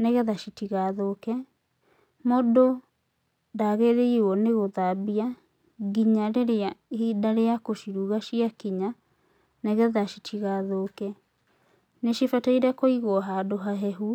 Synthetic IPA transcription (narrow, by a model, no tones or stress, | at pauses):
neɣɛðaʃitiɣaðokɛ | modo | daɣeɾeiɔneɣoðabia | ɡiɲaɾeɾeahidaɾeakoʃiɾuɣaʃiakiɲa | nɛɣɛðaʃitʰiɣaðokɛ | neɕifɛtaiɾɛkoiɣɔɦadoɦaɦɛɦu